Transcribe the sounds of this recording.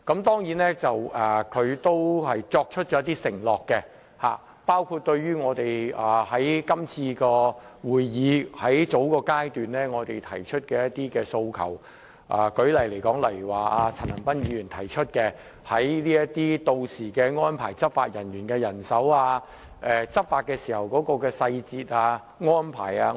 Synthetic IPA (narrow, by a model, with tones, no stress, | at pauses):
kɐ˨˥mt̪ɔː˥ŋji˨˥nɛ˥t͡sɐ˨wʔɛː˨˩kʰɵ˨˧ɥt̪o˥whɐ˨jt͡sɔː˧k̚t͡ʃʰɵ˥t̚t͡ʃɔ˨˦jɐ˥t̪i˥sɪ˨˩ŋlɔː˨kːɛ˧ | ha̰ː˨ | paː˥wkʰuː˧t̚t̪ɵ˧ɥɥyː˥ŋɔː˨˧t̪e˨jaː˨˩hɐ˨˥jkɐ˥mt͡sʰiː˧kɔː˧wuː˨jːiː˨˧hɐ˨˥jt͡so˨˥wkɔː˧kaː˥jt̪yː˨nlɛː˥ŋɔː˨˧t̪e˨˩jt̪ʰɐ˨˩jt͡ʃʰɵ˥t̚kɛː˧jɐ˥t̪̚iː˥kɛː˧so˧wkʰɐ˨˩w | ʔa̰ː˨kɵ˨˥ɥlɐ˨˩jle˨˩jkɔː˨˥ŋlɐ˨˩jwaː˨˩ʔaː˧t͡sʰa˨˩nɐ˨˩npɐ˥njiːy˨˧jyː˨˩nt̪ʰɐ˨˩jt͡ʃʰɵ˥t̚kɛː˧ | hɐ˨˥jliː˥jɐ˥tt̪iː˥t̪o˨˧wsiː˨˩kɛː˧ŋɔː˥npʰa̰ː˨˩jt͡sɐ˥p̚fa̰ː˧t̚jɐ˨˩njyː˨˩nkɛː˧jɐ˨˩nsɐ˨˥waː˧ | ʔɛ˨˧t͡sɐ˥p̚faː˧t̚kɛː˧siː˨˩hɐ˨˩wkɔː˨˥kɔː˧kɛː˧sɐ˧jt͡siː˧t̚aː˧ | ŋɔː˥npʰa̰ː˨˩jaː˧